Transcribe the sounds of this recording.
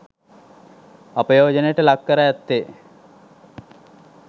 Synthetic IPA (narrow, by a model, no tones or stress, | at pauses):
apəjoːd͡ʒənəjəʈəlakːəɾajæt̪ːe